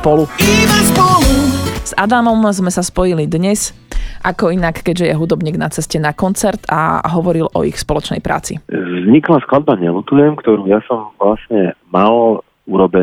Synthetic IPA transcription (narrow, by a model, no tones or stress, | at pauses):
spɔluibaspɔluz̥ad̪amɔmzmɛsaspɔjilid̪ɲɛs | ʔakɔinakːɛɟʒɛjɛɦud̪ɔbɲiːɡnat͡sɛscɛnakɔnt͡sɛɾt̪a̰ɦɔʋɔɾilʔɔ̰ixspɔlɔt͡ʃnɛ̰jpɾʔa̰ːt͡sḭvzɲiklasklad̪̚baɲɛlut̪ujɛmkt̪ɔɾuːjasɔmvlasɲɛmal | uɾɔbɛ